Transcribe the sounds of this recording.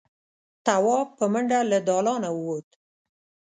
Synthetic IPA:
t̪awɑpəməɳɖalad̪ɑlɑnawwot̪

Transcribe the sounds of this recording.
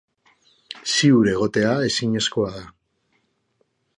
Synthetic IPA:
siuɾe̞ɣ̞o̞t̪e̞ae̞siɲe̞sko̞aða

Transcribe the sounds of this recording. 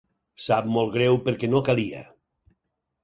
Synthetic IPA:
sap̚molˠɣɾewpeɾkɛnokalia̰

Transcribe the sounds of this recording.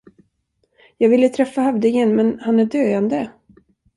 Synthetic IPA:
jɑːɡvɪlːət̪ʰɾɛfːahavd̪ɪŋənmɛnhanæɖøːand̪ə

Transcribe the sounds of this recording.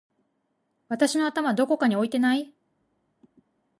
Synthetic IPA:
βat̪aɕino̞at̪amad̪o̞ko̞kaɲ̟io̞it̪e̞nai

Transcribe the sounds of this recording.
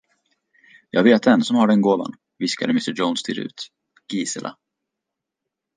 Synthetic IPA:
jʔɑ̰ːɡveːt̪̚d̪ɛnsɔmhaɖɛnɡoːva̰n | vɪska̰d̪əmɪst̪əd͡ʒɔnst̪ʰɪɾʉ̟̰ːt̪ | ɡ̥iːsəlʔa̰

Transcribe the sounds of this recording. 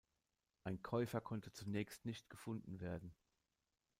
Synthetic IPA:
ʔaɪnkʰɔʏfɐkʰɔntət͡sunɛːçstnɪçtɡ̥əfʊndn̩veːɐdn̩

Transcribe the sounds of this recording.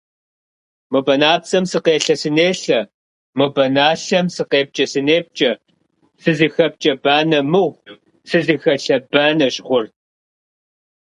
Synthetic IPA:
mɨbɐnaːpsɐmsɨqeːɬɐsɨneːɬɐ | mɨbɐnaːɬɐmsɨqeːp̚t͡ʃʼɐsɨneːp̚t͡ʃʼɐ | sɨzixɐp̚t͡ʃʼɐbaːnɐmɨʁʷ | sɨzixɐɬɐbaːnɐɕʼʁʷʊr

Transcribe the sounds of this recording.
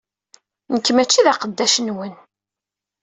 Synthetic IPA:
nəkːəmæt͡ʃːiðaqəd̪ːæʃənwən

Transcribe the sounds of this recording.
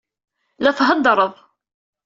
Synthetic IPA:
læfɦɑd̪ɾˤəðˤ

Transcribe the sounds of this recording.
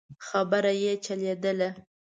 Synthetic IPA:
xabəɾajet͡ʃaled̪əla

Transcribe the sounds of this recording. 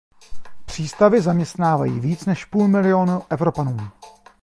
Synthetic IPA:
pr̝̥iːst̪avɪzamɲɛst̪naːva̰jḭːviːt͡snɛʃpuːlmɪlɪonuʔɛvɾo̞panuː

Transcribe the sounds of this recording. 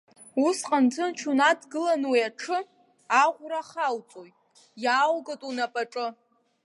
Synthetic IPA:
usqʼand͡zʷʰʼɨnt͡ʃʰunadɡɨlanwiaʈ͡ʂʰɨ | aʁʷraχawt͡sʼojtʼ | jaːwɡatʼunapʼaʈ͡ʂʼɨ

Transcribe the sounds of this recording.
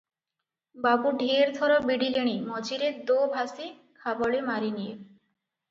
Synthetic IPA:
babuɖʱieɾd̪ʱɔɾɔbiɖileɽ̃imɔd͡ʑiɾed̪obʱasi | kʰabɔɭemaɾinije

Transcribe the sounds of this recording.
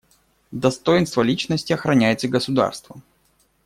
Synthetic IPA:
d̪ɐst̪o̞jɪnst̪vəlʲit͡ɕnəsʲtʲɪɐxɾɐnʲæjɪt̪səɡəsʊd̪a̰rst̪və

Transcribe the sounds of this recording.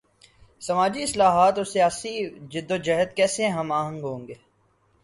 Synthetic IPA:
sɐmaːd͡ʒiɪslaːɦaːt̪ɔːɾsijaːsid͡ʒɪd̪ːod͡ʒɐɦət̪kɛːsẽɦɐmaːɦə̃ŋɡɦõːŋɡeː

